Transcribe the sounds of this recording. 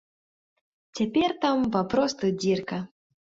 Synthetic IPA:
t͡sʲapʲert̪ampapɾɔst̪ud͡zʲirkɐ

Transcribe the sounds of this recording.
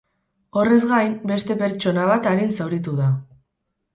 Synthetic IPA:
o̞re̞zɣajmbe̞st̪e̞pe̞ɾt͡ʃo̞naβ̞at̪aɾinsawɾit̪uða

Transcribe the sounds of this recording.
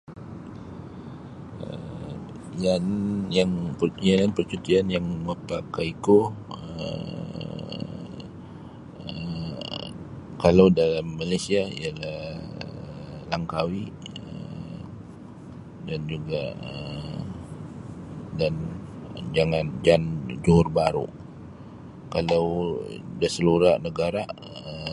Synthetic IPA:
ə̰ | janjaŋpjalanpərt͡ʃut̪ianjaŋmuapakaikoə | ə | kalawdalamːalajsiaḭalahəlaŋkawiʔ | ə | dand͡ʒuɡaʔə | dan | d͡ʒaŋand͡ʒand͡ʒuɦʊrbaɾṵ | kalawdəsəluɾaʔnəɡaɾaʔ | ə

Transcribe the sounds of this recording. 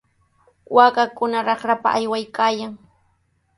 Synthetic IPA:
waːkakʊnaɾɑχɾapa̰ʔajwajkaːjaŋ

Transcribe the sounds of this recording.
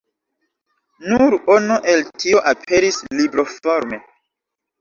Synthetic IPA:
nuɾonuʔe̞ltʰio̞ʔapʰe̞ɾislibɾofoɾme

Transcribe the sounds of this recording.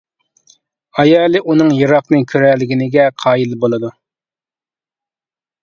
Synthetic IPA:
ɑjɑːlˠɨʔunɨŋjɨɾɑqnɨkʲʰøɾɛlːɪɡʲinɪɡʲɛqʰɑːjilˠbolˠɨd̪u

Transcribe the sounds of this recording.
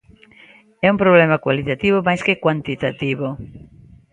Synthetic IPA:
ɛumpɾoβ̞lɛmakwalit̪at̪iβomajskekwant̪it̪at̪iβo

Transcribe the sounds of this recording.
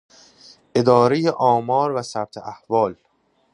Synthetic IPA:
ʔe̞d̪ɒːɾejeʔɒːmɒːɾvæsæb̥̚t̪ʰeʔæhvɒːl

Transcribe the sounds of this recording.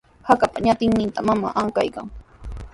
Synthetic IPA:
hakapaɲat̪ɪŋnɪnt̪amama̰ʔaŋka̰jka̰ŋ

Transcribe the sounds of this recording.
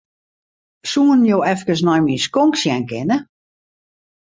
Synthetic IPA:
suːənjoːɛfkəs̬nɔjmiəskoŋksjɛnkɪnə

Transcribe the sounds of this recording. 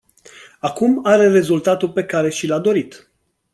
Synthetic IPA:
akumaɾe̞re̞zult̪at̪ulpe̞kaɾe̞ʃilad̪o̞ɾit̪

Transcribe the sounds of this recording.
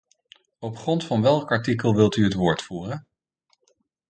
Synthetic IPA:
ɔpχrɔntfɑnʋɛlˠkɑɹtikəlˠʋɪlˠtyɦətʋʊːɹtfuːrən

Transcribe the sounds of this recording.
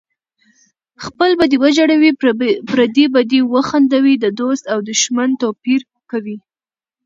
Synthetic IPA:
xpəlbad̪iwəd͡ʒaɽawipɾad̪ibad̪iwəxand̪awid̪əd̪ost̪awd̪əʃmant̪opiɾ | kawi

